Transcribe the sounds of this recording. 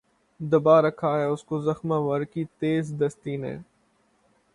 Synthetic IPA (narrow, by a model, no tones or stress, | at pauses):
d̪əbaːɾəkʰaːɦɛːʊskoːzəxmãːʋəɾkit̪eːzd̪əst̪iːnḛ̃ː